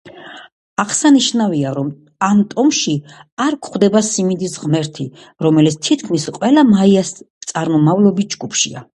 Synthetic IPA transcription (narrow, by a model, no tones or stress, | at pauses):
aʁsaniʃnaviaɾɔm | amt̪ʼɔmʃiaɾkʰχd̪ɛbasimid̪isʁmɛɾt̪ʰi | ɾɔmɛlit̪st̪ʰit̪ʰkʰmisqʼwɛlˠamaiast̪sʼaɾmɔmavlˠɔbis̚d͡ʒɡupʰʃḭa̰